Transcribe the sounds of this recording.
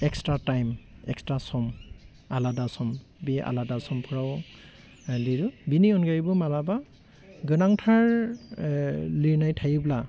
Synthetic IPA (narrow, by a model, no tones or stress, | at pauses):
ɛkstɹatajmɛ̰kstɹasɔm | aladasɔm | bɛʔa̰ladasɔmpʰɔɹaw | liɹubiniɔnɡaɹibɔmalaba | ɡɯnaŋtʰaɹ | liɹnajtʰajibla